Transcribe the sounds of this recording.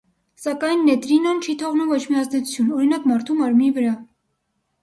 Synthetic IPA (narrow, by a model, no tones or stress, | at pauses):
sɑkɑjnːɛt̪ɾinɔnt͡ʃʰit̪ʰɔʁnumvɔt͡ʃʰmiɑzd̪ɛt͡sʰu̥t͡sʰunɔɾinɑkmɑɾt̪ʰumɑɾmnivəɾɑ